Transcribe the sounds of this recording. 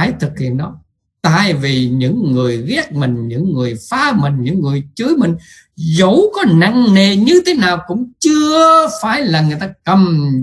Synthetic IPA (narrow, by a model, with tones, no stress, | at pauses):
jt̪ʰɨ˨˩k̚hḭ˧˨ənɗɔ˨˦ | t̪a̰ː˧˨jvi˨˩ɲɨ̰˧˥ŋːɨ˨˩əjɣɛ˦˥k̚mï˨˩ŋ̟ɲɨ̰˧˥ŋːɨ˨˩əjfaː˨˧˥mï˨˩ŋ̟ɲɨ̰˧˥ŋːɨ˨˩əjt͡ɕɨ˨˦əjmï˨˩ŋ̟ | zə˨˦wkɔ˨˦na˧ŋne˨˩ɲɨ˧t̪ʰe˨˦naː˨˩wkʊ̰˧˥ŋ͡mt͡ɕɨ˧əfaː˧˩jlaː˨˩ŋɨ˨˩əjt̪aː˧kə˨˩m